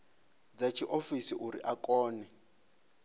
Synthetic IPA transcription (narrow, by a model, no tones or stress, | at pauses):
d͡zat͡ʃʰiʔofisiʔuɾḭʔakɔːnɛ